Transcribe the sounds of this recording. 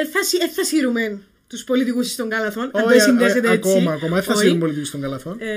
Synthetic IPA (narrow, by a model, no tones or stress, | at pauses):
eθɐsieθɐsiɾumen | t̪uspolit̪ikusi̥st̪oŋɡɐlɐθonɐesind̪eet̪ekomɐkomɐeθɐsiɾumpolit̪ikust̪oŋɡɐlɐθon